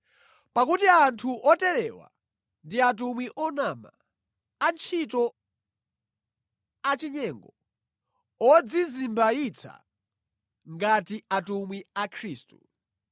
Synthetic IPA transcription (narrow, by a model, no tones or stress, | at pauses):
pakutiantʰuʔɔtɛɾɛwa̰ | ndiat̬umwiʔɔnama̰ | ant͡ʃʰitɔ | at͡ʃiɲɛŋɡɔ | ɔd͡zizimbait͡sʰa̰ | ŋɡatiatumwiakʰɾiːstu